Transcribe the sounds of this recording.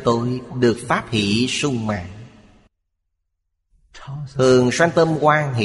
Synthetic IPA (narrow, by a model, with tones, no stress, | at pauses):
t̪o˧jɗɨ˨˩ək̚faː˦˥p̚hḭ˧˩˥sʊ˧ŋ͡mma̰ː˨˩ŋ | ɨ˨˩əŋswa˧ŋt̪ə˧mkwaː˧ŋɦḭ˧˨